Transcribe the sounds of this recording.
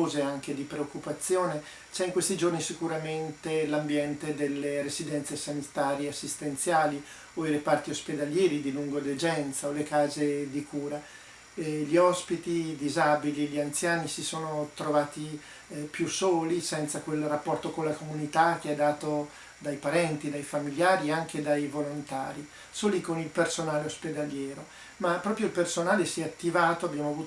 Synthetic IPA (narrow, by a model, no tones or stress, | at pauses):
oːzeaŋk̟ed̪ipɾeokːupat̪sːjoːne | t͡ʃɛiŋkwest̪id͡ʒornisikuɾament̪elambjɛnt̪ed̪elːeɾezid̪ɛnt̪sesanit̪aːɾjeasːist̪ent̪sjaːli | oirepart̪iosped̪aljɛːɾid̪iluŋɡod̪ed͡ʒɛnt̪saolekaːzed̪ikuːɾa | ʎiɔspit̪id̪izabiliʎiant̪sjaːnisisoːnot̪ɾovaːt̪i | pjusoːlisɛnt̪sakwelrapːɔrt̪okonlakomunit̪ak̟ːeɛd̪ːaːt̪o | d̪ajpaɾɛnt̪id̪ajfamiljaːɾieaŋk̟ed̪ajvolont̪a̰ːɾi | soːlikonilpersonaːleosped̪aljɛːɾo | mapːɾɔːpɾjoilpersonaːlesiɛat̪ːivaːt̪oabːjaːmoavuː